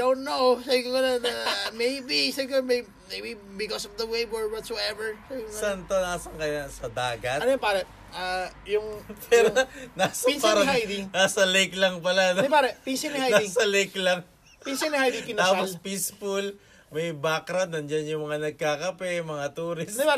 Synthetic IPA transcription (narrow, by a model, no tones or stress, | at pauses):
d̪ownt̪nowsabikoŋɐlanɐmejbisabɪkmej | mejbi | bɪkɔsɔfd̪ɐwejbɔɹwɔt̪soɛvɛɹsabikoɐant̪onaːsɐŋkɐjasɐd̪aːɡɐt̪ʔɐnopaːɾɐ | ʔajʊŋpʰɛɾonasɐpinsɐɾɐɦajd̪inaːsɐlejklɐŋp̬ɐland̪ɪjpaɾɛpinsɪnɐhajnaisɐlejklɐŋ | pinsɪnɐhajd̪ikɪnaːpolspispʊl | mɐjbakɾɐt̪̚nɐnd͡ʒanjʊŋmɐŋanɐɡ̚kakɐpɛmɐŋat̪uːɾɪsɛpa